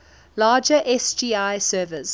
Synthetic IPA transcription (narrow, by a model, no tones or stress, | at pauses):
laːd͡ʒəʔɛsd͡ʒiːaɪsɜːvəz̥